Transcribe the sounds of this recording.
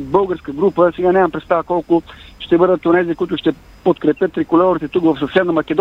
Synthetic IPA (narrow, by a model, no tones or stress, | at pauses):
bɤlˠɡəɾskəɡɾupəsɛɡanʲamɐmpɾɛt̪st̪avəkɔlˠkʊʃt̪ɛbɤd̪ət̪onɛzikʊit̪ʊʃt̪ɛ | pot̪kɾɛpʲjət̪ːɾikʊlʲɛoɾit̪ɛt̪ukvɐfsɐsɛnɐmɐkʲɛd̪